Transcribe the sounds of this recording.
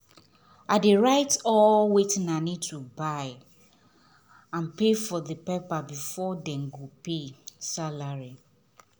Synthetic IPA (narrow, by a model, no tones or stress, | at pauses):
adeɹaɪtɔwetĩnanid̚tʰubaɪ | ãnpefɔðəpepabifɔdɛ̃mɡopesalaɹi